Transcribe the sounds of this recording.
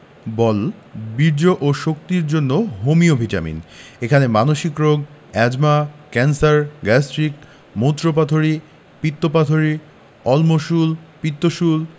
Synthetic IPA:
bɔlbiɾd͡ʑoʔoʃok̚t̪iɾd͡ʑonːoɦomiobʱita̰mḭnekʰanemanoʃikɾoɡɛd͡ʑmakɛnsaɾɡɛsʈɾik | mot̪ːɾop̬at̪ʰoɾi | pit̪ːopat̪ʰoɾi | ɔlmoʃulpit̪ːoʃul

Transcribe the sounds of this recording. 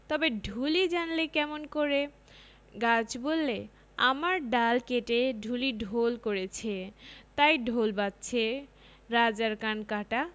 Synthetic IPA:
t̪ɔbeɖʱulid͡ʑanlekɛmonkoɾe | ɡad͡ʑbolːe | a̰maɾɖalkeʈeɖʱuliɖʱolkoɾet͡ɕʰet̪ajɖʱolbat̪̚t͡ɕʰe | ɾad͡ʑaɾkankaʈa

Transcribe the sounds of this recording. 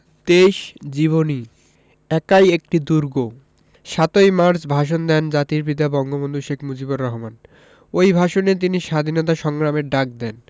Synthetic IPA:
t̪eʃd͡ʑiβoni | ɛkajek̚ʈid̪uɾɡo | ʃat̪ojmaɾt͡ɕbʱaʃ̬ond̪ɛnd͡ʑat̪iɾbid̪abɔŋɡobond̪ʱuʃekʰmud͡ʑiboɾːɔɦoman | ojbʱaʃonet̪iniʃad̪ʱinot̪aʃɔŋɡɾameɾɖak̚d̪ɛn

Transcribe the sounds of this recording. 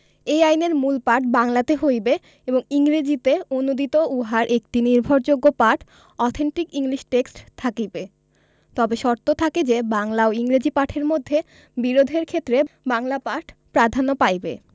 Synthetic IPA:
ejajneɾmulpaɾʈbaŋlat̪eɦojbe | eboŋiŋɾed͡ʑit̪eonud̪it̪ouɦaɾʔek̚ʈiniɾbʱoɾd͡ʑoɡːopaɾʈ | ɔt̪ʰeɳʈikiŋliʃʈeksʈt̪ʰakibe | t̪ɔbeʃɔɾt̪ot̪ʰaked͡ʑebaŋlaoiŋɾed͡ʑipaʈʰeɾmod̪ʱːe | biɾod̪ʱeɾkʰet̪ːɾebaŋlapaɾʈʰpɾad̪ʱanopajbḛ

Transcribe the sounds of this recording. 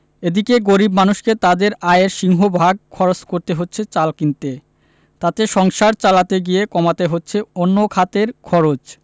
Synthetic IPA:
ed̪ikeɡoɾibmanuʃket̪ad̪eɾaeɾʃiŋɦobʱaɡ̚kʰɔɾot͡ɕkoɾt̪eɦotːɕʰet͡ɕalkint̪e | t̪at̪eʃɔŋʃaɾt͡ɕalat̪eɡijekɔmat̪eɦotːɕʰeonːokʰat̪eɾkʰɔɾot͡ɕ

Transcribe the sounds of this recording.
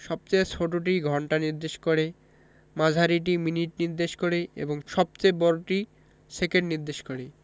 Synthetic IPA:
ʃɔb̚t͡ɕeet͡ɕʰoʈoʈ̬iɡʱɔɳʈaniɾd̪eʃkoɾe | mad͡ʑʱaɾiʈ̬iminiʈniɾd̪eʃkoɾeḛboŋʃɔb̚t͡ɕebɔɾoʈi | sekeɖniɾd̪eʃkoɾe

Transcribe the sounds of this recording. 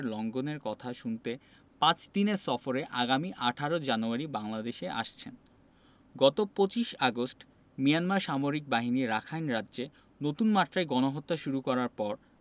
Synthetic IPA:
ɾlɔŋɡoneɾkɔt̪ʰaʃunt̪e | pãt͡ɕd̪ineɾsɔfoɾeʔaɡamiʔaʈʰaɾod͡ʑanuaɾibaŋlad̪eʃeʔa̰ʃt͡ɕʰen | ɡɔt̪opot͡ɕiʃaɡosʈ | mijanmaɾʃamoɾik̚baɦiniɾakʰajnɾadːd͡ʑe | not̪unmat̪ːɾaeɡɔnoɦot̪ːaʃuɾukɔɾaɾpɔɾ

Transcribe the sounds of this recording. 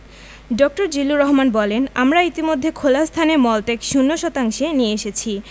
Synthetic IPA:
ɖɔk̚ʈoɾd͡ʑilːuɾɔɦmanbɔlenamɾait̪imod̪ʱːekʰolast̪ʰanemɔlʈekʃunːoʃɔt̪aŋʃenieeʃet͡ɕʰi

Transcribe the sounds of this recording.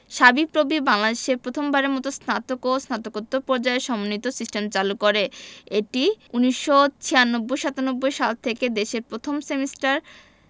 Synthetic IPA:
ʃabipɾobibaŋlad̪eʃeɾpɾot̪ʰombaɾeɾmɔt̪osnat̪okosnat̪okot̪ːopɔɾd͡ʑaeʃɔmonit̪osisʈemt͡ɕalukoɾeeʈiuniʃːot͡ɕʰijanːobːojʃat̪anobːojʃalt̪ʰeked̪eʃeɾpɾot̪ʰomsemisʈaɾ

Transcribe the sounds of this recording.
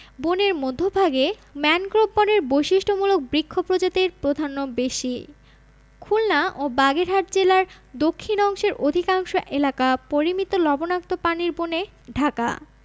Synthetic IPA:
boneɾmod̪ʱːobʱaɡemɛnkɾobboneɾbojʃiʃʈʰomulok̚bɾikʰːopɾod͡ʑat̪iɾpɾod̪ʱanːobeʃi | kʰulnaʔobaɡeɾɦaʈd͡ʑelaɾ | d̪okʰːinɔŋʃeɾʔod̪ʱikaŋʃoʔelakapoɾimit̪olɔbonak̚t̪opaniɾbone | ɖʱaka̰

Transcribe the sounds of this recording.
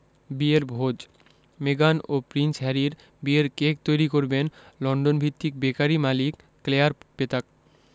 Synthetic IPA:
bieɾbʱod͡ʑ | meɡanopɾinsɦɛɾiɾ | bieɾkek̚t̪ojɾikoɾbenlɔɳɖonbʱit̪ːik̚bekaɾimalikːleaɾpet̪ak̚

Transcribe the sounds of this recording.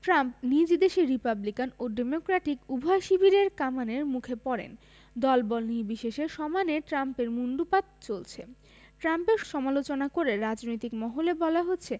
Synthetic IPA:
ʈɾampnid͡ʑid̪eʃiɾipablikanoɖemokɾaʈikubʱaeʃibʱiɾeɾkamaneɾmukʰepɔɾḛn | d̪ɔlbɔlnibiʃeʃeʃɔmaneʈɾampeɾmunɖupat̪̚t͡ɕolt͡ɕʰe | ʈɾampeɾʃɔmalot͡ɕonakoɾeɾad͡ʑnojt̪ikmɔɦolebɔlaɦotːɕʰe

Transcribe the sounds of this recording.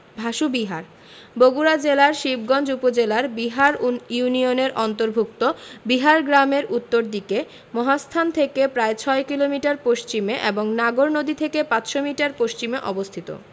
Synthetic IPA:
bʱaʃubiɦaɾ | boɡuɾad͡ʑelaɾʃib̚ɡɔnd͡ʑupod͡ʑelaɾbiɦaɾjunioneɾʔɔnt̪oɾbʱuk̚t̪obiɦaɾɡɾameɾut̪ːoɾd̪ike | mɔɦast̪ʰant̪ʰekepɾaet͡ɕʰɔekilomiʈaɾpoʃt͡ɕimeʔeboŋnaɡoɾnod̪ʱit̪ʰekepatʃomiʈaɾpoʃt͡ɕimeʔɔbost̪ʰit̪o̰

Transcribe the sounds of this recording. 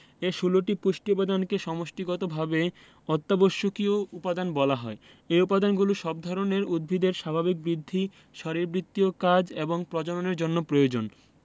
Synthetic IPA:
eʃuloʈipuʃʈipad̪ankeʃɔmoʃʈiɡɔt̪obʱabe | ɔt̪ːaboʃːokioupad̪anbɔlaɦɔ̰e | eupad̪anɡuloʃɔb̚d̪ʱɔɾoneɾud̪̚bʱid̪eɾʃabʱabik̚bɾid̪ʱːi | ʃɔɾiɾbɾit̪ːiokad͡ʑeboŋpɾɔd͡ʑoɾoneɾd͡ʑonːopɾojod͡ʑon

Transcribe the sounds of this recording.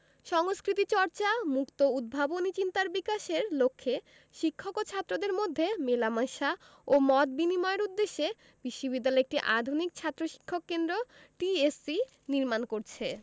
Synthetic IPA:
ʃɔŋskɾit̪it͡ɕɔɾt͡ɕamukt̪oud̪̚bʱabonit͡ɕint̪aɾbikaʃeɾlokʰːe | ʃikʰːokot͡ɕʰat̪ːɾod̪eɾmod̪ʱːemelamaʃa | omɔt̪̚binimɔeeɾud̪ːeʃːe | biʃːobid̪ːalɔek̚ʈiʔad̪ʱunik̚t͡ɕʰat̪ːɾoʃi̥kʰːokːend̪ɾoʈiesi | niɾmankoɾt͡ɕʰe

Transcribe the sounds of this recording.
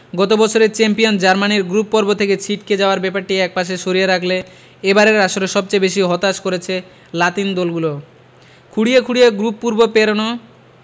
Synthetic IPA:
ɡɔt̪̬obɔt͡ɕʰoɾet͡ɕɛmpijond͡ʑaɾmaniɾɡɾupːɔɾbot̪ʰeket͡ɕʰiʈ̚ked͡ʑaoaɾbɛpaɾʈiɛk̚paʃ̬eʃoɾijeɾakʰle | ebaɾeɾaʃoɾeʃɔb̚t͡ɕajbeʃ̬iɦɔt̪aʃkoɾet͡ɕʰe | lat̪ind̪ɔlɡulo | kʰuɽiekʰuɽijeɡɾupːuɾbopeɾono

